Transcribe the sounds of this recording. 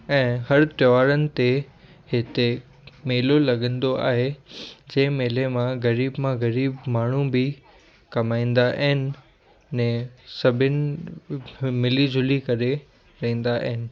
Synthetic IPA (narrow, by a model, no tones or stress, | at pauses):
ɛ̃ːhɐɾt̪jʋaːɾənɪ̆t̪e | hɪt̪e | meːlolɐɡə̃nd̪oa̰ːɦed͡ʑɐ̃ːɪ̃meːlemãɣɐɾiːbmãɣɐɾiːbmaːɳ̤ũbɪ | kɐmaːĩːn̆d̪aʔɦɪnɪ̆ | nɛ̃sɐbʱɪnɪ̆ | mɪlid͡ʑʱʊlikɐɾe | ɾɐɦĩːn̆d̪aʔɦɪnɪ̆